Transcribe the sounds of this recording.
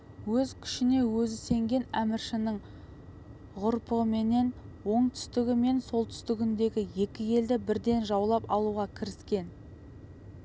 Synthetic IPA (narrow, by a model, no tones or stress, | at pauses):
wɵzkʲʰʏ̥ʃɪne̞wɵzɪse̞ŋɡʲe̞næmɪɾʃɪnɪɴ | ʁʊɾpəʁəme̞ne̞nwo̞ɴt̪ʰʏ̥st̪ɪɡʲɪme̞nso̞lˠt̪ʰʏ̥st̪ɪɡʲɪnd̪e̞ɡʲɪje̞kʲɪje̞ld̪ɪbɪɾd̪e̞nʒɑwlˠɑpɑlˠuʁɑkʲʰɪɾɪskʲe̞n